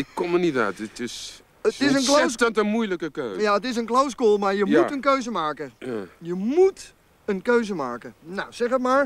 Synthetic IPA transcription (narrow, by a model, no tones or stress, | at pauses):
əkomunita̰tətɪs | əɪsənklostɔtəmujləkəkøːjaət̬ɪs̬ənklowskolˠmaɹjəmutənkøɥzəmaːkəjajəmut | ənkøɥzəmaːkənawsɛχətmaːɹ